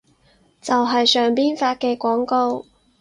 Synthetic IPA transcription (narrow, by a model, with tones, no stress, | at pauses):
t͡sɐ˨wɦɐ˨jsœː˨˩ŋpiː˥nfaː˧t̚kɛː˧kʷɔː˨˥ŋko˧w